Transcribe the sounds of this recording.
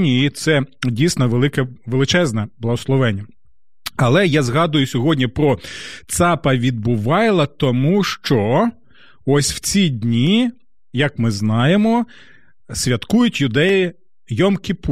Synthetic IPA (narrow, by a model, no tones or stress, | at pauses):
nʲiit̪sɛdʲijsnɔʋelˠɪkɛʋelˠɪt͡ʃɛznɛblˠɐɦɔslˠɔʋɛnʲːɐ | ɐlˠɛjɑzɦɑd̪ʊjʊsʲɔɦɔdʲnʲipɾɔt̪sɑpɐʋʲid̪̚bʊʋɑjlˠɐt̪ɔmuʃt͡ʃɔ | ɔsʲw̥t͡sʲidʲnʲi | jɐkmɪznɑjemɔ | sʲʋʲɐt̪kujʊtʲjʊd̪ɛji | jɔmkʲɪp